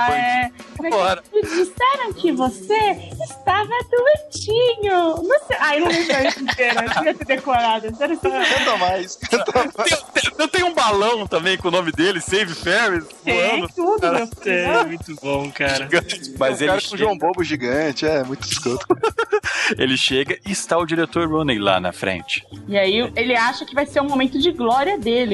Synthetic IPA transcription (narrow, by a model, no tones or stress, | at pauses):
aɛnɐfɔɾɐɪd͡ʒisɛɾɐ̃w̃kɪvoseɪst̪avɐd̪uet͡ʃĩɲʊnɐ̃w̃seʔaewnɐ̃w̃lẽj̃bɾɐesĩt̪eɾɐiɐsed̪ekoɾad̪ɐsɛɾɐ̃t̪uɐ̃k̪ɐmajskɐ̃t̪ɐmaẽt̪ẽjẽwt̪ẽjʊũbalɐ̃w̃t̪ɐ̃mbẽj̃kõʊnõmɪd̪elɪsejvɪfɛwis | eɐ̃nʊt̪ud̪ʊewemũj̃t̪ʊbõw̃kaʒɾɐɡɐ̃t͡ʃɪ̥mɐzzeklaɪɐkõʒuwɐ̃w̃bobʊʒiɡɐ̃t͡ʃɪɛɛmũj̃t̪ʊ̥biskot̪ʊ̥ | elɪʃeɡɐʔɪːst̪aʊd͡ʒiɾet̪oɾːũnejla̰nɐ̰fɾḛ̃t͡ʃɪ̥iaielɪaʃɐkɪvajseɾũmomẽnt̪ʊd͡ʒɪɡlɔɾiɐd̪elɪ